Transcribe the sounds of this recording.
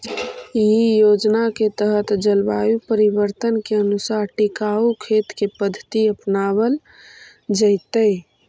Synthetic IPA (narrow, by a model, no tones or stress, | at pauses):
jijod͡ʒnaket̪əɦət̪d͡ʒəlbajupəɾibəɾt̪ənkeənusaɾʈikaukʰet̪kepəd̪ʱːət̪iəpnaβəl | d͡ʒəɪt̪əj